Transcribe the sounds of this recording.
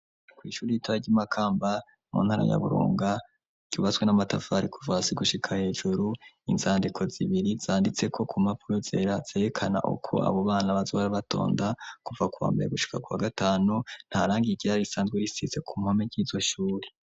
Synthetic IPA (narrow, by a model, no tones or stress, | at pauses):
kwiːʃuːɾijitʰaβaɟimakʰaːmba | mṵːnhaːɾa̰ja̰βuɾṵːŋɡa | ɟ̥uːβat͡sɡwenamatafaɾikʰuvasiɡuʃikʰahe̞ːʒuɾu | inzaːndikʰo̞ziβiɾizaːndit͡se̞kʰo̞kumapuɾoze̞̰ɾaz̥eːɾekʰana̰ʔṵkʰo̞̰a̰βo̞βaːnaβazoβaɾaβato̞̰ːndakuvakuwa̰ːmbe̞̰ɾeɡuʃi̥kakuwaɡataːnun̥haɾaːŋɡiɡɟiɾaɾisaːnzɡweɾisize̞kʰumhomeɟiːzo̞ʃuːɾe